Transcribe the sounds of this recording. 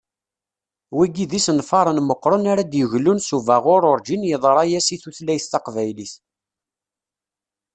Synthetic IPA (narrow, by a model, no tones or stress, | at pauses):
wiɡiðisənfɑɾˤənməqːɾˤənaɾad̪jəʝlːunsuvæʁʊɾˤʊɾˤd͡ʒinjəðˤɾˤɑjæsiθuθlæjθt̪ɑqvæjliθ